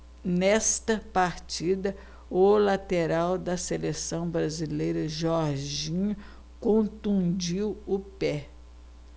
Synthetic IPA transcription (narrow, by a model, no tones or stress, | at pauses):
nɛst̪ɐpaɾt͡ʃid̪ɐ | ʊlat̪eɾawd̪ɐselesɐ̃w̃bɾazilejɾɐʒɔɾʒĩɲʊ | kõnt̪ũd͡ʒiwʊpɛ